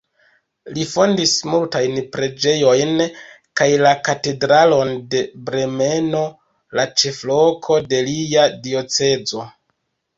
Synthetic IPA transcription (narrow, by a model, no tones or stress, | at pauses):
lifo̞ndismultajnpɾe̞d͡ʒe̞jo̞jn | kajlakate̞dɾalo̞nde̞bɾe̞me̞no̞ | lat͡ʃe̞flo̞kʰo̞de̞liadio̞t͡se̞d͡zo̞